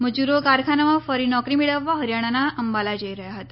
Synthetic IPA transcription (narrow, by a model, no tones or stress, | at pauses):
məd͡ʒuɾokaɾkʰanamãfəɾinɔkɾimiɭəʋːaɦəɾjaɽ̃anaʔəmbalad͡ʑəiɾəɦjaɦət̪a